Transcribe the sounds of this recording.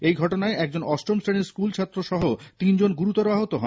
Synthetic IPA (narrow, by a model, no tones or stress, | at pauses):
ejɡʱɔʈonaeɛk̚d͡ʑonɔsʈɾomsʈeniskult͡ɕʰat̪ːɾoʃɔɦot̪ind͡ʑonɡuɾut̪ɔɾoaɦot̪oɦɔ